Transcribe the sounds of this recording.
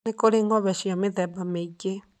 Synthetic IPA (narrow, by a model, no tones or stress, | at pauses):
nekoɾeŋɡɔβɛʃiɔmeðɛbameɡe